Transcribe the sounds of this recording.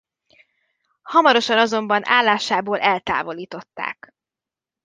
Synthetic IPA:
hɒmɒɾo̞ʃɒnɒzo̞mbɒnʔa̰ːlːaːʃaːboːlʔɛlt̪a̰ːvo̞liːt̪o̞t̪ːa̰ːk

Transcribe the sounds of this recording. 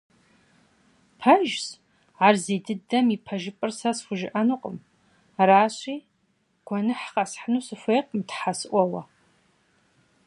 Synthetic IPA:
pʰɐʒz | ʕarzeːdɨdɐmipʰɐʒɪpʼɨrsɐsxʷʊʒɪ̰ʔɐnuːqʼə̰m | raːɕʼiː | ɡ̥ʷʰɔnɨħqasħnuːsɨfʷejqʼmtħasɨʔʷɔwɐ

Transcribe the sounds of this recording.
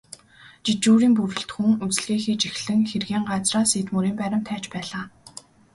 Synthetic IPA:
t͡ɕit͡ɕuːɾiːmpurɵ̆ɬt̪xuŋut͡s̆ɮɣiːxiːt͡ɕixɮɘ̆ŋxerɣeːŋɢat͡sraːseːt̪muɾiːmpæɾʲɪ̆mt̪ʰæːt͡ɕpæːɮaː

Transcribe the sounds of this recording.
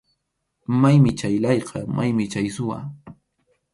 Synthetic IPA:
majmɪt͡ʃajlɑjqɑmʔajmɪt͡ʃajsʊwa̰

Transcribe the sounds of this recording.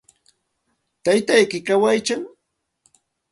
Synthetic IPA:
t̪ajt̪ajkɪkawajt͡ʃaŋ

